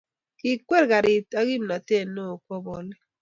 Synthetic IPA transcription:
ki˨kwe˦ɾka˨ɾi˨ta˦ɡi˦mna˨te˦˨no˦˨kwɔ˦bɔ˨li˦

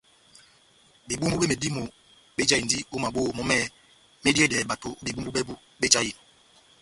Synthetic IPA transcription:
bi˨bu˦mbu˦be˦me˨di˦mo˨ | ɓe˦d͡ʒa˦i˨n˨di˦o˦ma˨bo˦˨mɔ˦mɛ˦ | me˦di˦e˦dɛ˨ba˨to˨˦bi˨bu˦m˦u˦be˦bu˦ | be˦d͡ʒa˦ji˨n

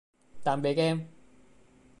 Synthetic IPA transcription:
t̪aː˨˧npe˨˥kɛː˥m

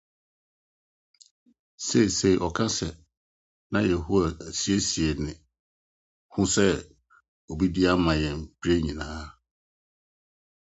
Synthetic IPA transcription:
se˦i˨se˦˨i˨ʔɔ˨kʰã˦sɛ˨ | nã˦jɛ˨hu˦a˨æ˨si˦e˦si˨ɛ˨nɪ̃˨ | hʊ̃˦sɛ˦ | ɔ˨bi˦di˦a˦mã˨jɛ̃˨m̩˨pʰi˦ɾe˦ɲĩ˨nãː˦

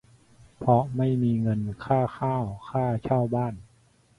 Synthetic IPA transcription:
pʰɔ˧ma˥˩jmiː˧ŋɤ˧nkʰaː˥˩xaː˥˩wkʰaː˥˩t͡ɕʰaː˥˩wbaː˥˩n

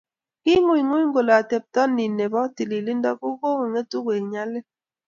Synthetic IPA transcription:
ki˦ŋu˦˨ŋwu˦ŋ̩˦ɡo˨la˨a˨te˨p̚tɔ˦nːi˨nːe˨bɔ˦ti˨li˨li˦n˦dɔ˦ku˦ko˦ŋe˨ŋe˦tu˦kwe˨ɲa˦le˦

